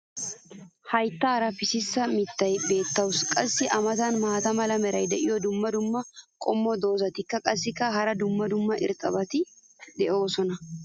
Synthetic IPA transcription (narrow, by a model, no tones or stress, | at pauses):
hɐjt̪ːaːɾɐfɪsɪsːɐmɪt̪ːɐjbe̞ːt̪ːɐwʊskʼɐsːɪʔɐmɐt̪ɐnmaːt̪ɐmɐlɐmɛɾɐjd̪ɛʔɪjɔd̪ʊmːɐd̪ʊmːɐkʼɔmːɔd̪o̞ːzɐt̪ɪkːɐkʼɐsːɪkːɐɦɐɾɐd̪ʊmːɐd̪ʊmːɐʔɪ̰ɾt̪ʼːɐbɐt̪ɪ | d̪ɛʔo̞ːsɔnɐ